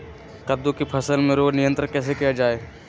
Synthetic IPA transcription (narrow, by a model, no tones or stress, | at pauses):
kɐd̪õkipʰɐsəlmẽɾoːd͡ʒnɪjə̃nt̪ɾənkɛːsekijad͡ʒaːeː